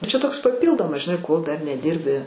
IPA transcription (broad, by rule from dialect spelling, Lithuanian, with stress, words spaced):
t͡ʃʲɛ ˈtoːks pɐˈpʲiːlˠdoːmɐs ʒʲɪˈnɐɪ koːlˠ ˈdɐr nʲɛˈdʲiːrʲbʲɪ